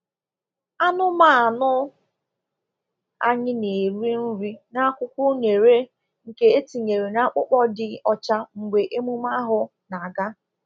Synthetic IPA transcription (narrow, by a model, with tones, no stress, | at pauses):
a˦nʊ˦ma˨a˨nʊ˦ | a˦ɲɪ˦ne˨ɾi˦n̩˦ɾi˦na˦kʷʊ˦kʷʊ˦ne˨ɾe˦ | ŋ̩˨ke˨e˦ti˨ɲe˨ɾe˨na˦k͡pʊ˦k͡pɔ˦dɪ˨ɔ˨t͡ʃa˦ŋ̩˨ɡʷe˨ʔe˦mu˦ma˦ɦʊ˦ | na˨a˨ɡa˦